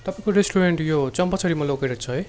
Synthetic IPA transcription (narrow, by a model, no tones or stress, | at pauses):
t̪ʌpaĩkoɾesʈuɾeɳʈjot͡sʌmpʌt͡sʰʌɾimʌlokʌjɾʌt͡sʰʌɦʌj